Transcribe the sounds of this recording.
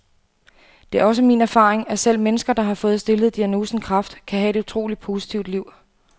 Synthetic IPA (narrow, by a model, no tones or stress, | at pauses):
d̥e̝æɐɒ̽s̬əmḭːnæɐfɑ̈ːʁeŋæsel̰menəsɡ̥ɐd̥ɑ̈ɦɑ̈fɔ̽ːð̞̩ˠsd̥e̝ləð̩ˠd̥iæno̝ːsn̩kʰʁɑ̈fd̥kʰæɦæe̝ɾ̥ut͡sʰʁo̝̰ːlid̥̚pʰo̝si̥t͡sʰiʊ̰d̥liʊ̰